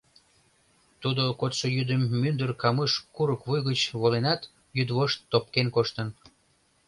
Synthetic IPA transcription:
t̪ud̪okot̪ʃojyd̪əmːynd̪ərkɑməʃkuɾəkβujɣət͡ɕβolenɑt̪ | jyd̪βoʃt̪ːop̚kenkoʃt̪ən

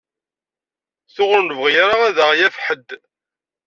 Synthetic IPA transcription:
θʊʁʊɾnvʁjaɾaæðəʁjæfħəd̪

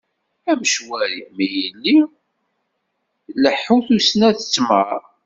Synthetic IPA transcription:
æməʃwæɾḭmijəlːi | ləħːuθusnæθə̥t͡sːmæɾ

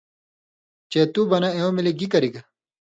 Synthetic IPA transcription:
t͡ɕeːt̪ubɐnɐeõmiliɡikɐɾiɡɐ

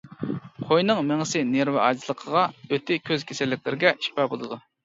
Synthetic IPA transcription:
qʰojnɨŋmɪŋɪsɪneɾvɪʔɑ̰zlˠəqʰəʁɑøt̪ʰɪkʲʰøz̥kʲʰesɪlːɪk̚ʲlɪɾɪɡʲɛʃpɛbolˠɨd̪u

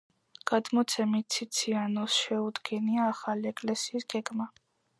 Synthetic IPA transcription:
ɡ̥ad̪mɔt̪sʰɛmit̪̚t̪sʰit̪sʰianɔsʃɛud̪ɡɛniaːχaliɛkʼlɛsiːsɡ̥ɛɡma

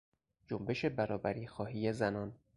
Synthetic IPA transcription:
d͡ʒombe̞ʃe̞bæɾɒːbæɾiːxɒːɦiːjezænɒn

